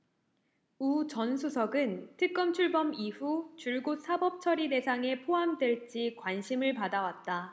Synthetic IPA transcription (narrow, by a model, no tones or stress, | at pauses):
ut͡ɕʌnsʰusʰʌɡɯntʰɯk̚k͈ʌmt͡ɕʰuɭbʌmiɸut͡ɕuɭɡos͈ʰabʌp̚t͡ɕʰʌɾide̞sʰaŋe̞pʰoɦamdwe̞ɭt͡ɕ͈ikwanɕʰimɯɭpadawat̚t͈a